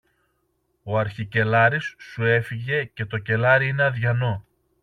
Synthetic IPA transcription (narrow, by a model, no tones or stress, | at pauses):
o̞ɐɾçice̞lɐɾisːue̞fiʝe̞ce̞t̪o̞ce̞lɐɾiineɐðʝɐno̞